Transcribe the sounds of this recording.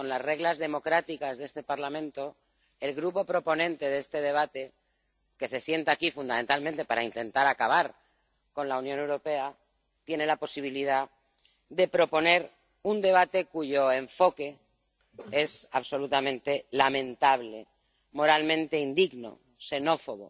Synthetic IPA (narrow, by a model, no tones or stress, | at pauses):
ko̞nlasre̞ɣlazðe̞mo̞kɾat̪ikazðe̞st̪e̞paɾlamẽ̞nt̪o̞ | e̞lɣɾupo̞pɾo̞po̞nẽnt̪e̞ðe̞st̪e̞ð̞e̞β̞at̪e̞ | ke̞se̞sje̞nt̪akifund̪ament̪almẽnt̪e̞paɾaint̪e̞nt̪aɾakaβ̞aɾ | ko̞nlaunjone̞wɾo̞pe̞a | t̪je̞ne̞laposiβ̞iliða | ðe̞pɾo̞po̞ne̞ɾ | und̪e̞β̞at̪ekuʝo̞e̞ɱfo̞ke̞ | e̞saβso̞lut̪amẽnt̪e̞lamẽ̞nt̪aβle̞ | mo̞ɾalmẽ̞nt̪e̞ind̪iɣno̞̰ | se̞no̞fo̞ɣo̰